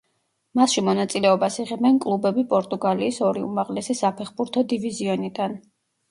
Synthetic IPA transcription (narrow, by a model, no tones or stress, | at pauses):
masʃimɔnat̪sʼilɛɔbasiʁɛbnɛnkʼlˠubɛbipʼɔɾt̪ʼuɡaliːsɔɾiṵmaʁlɛsisapʰɛχbuɾt̪ʰɔd̪iviziɔnid̪an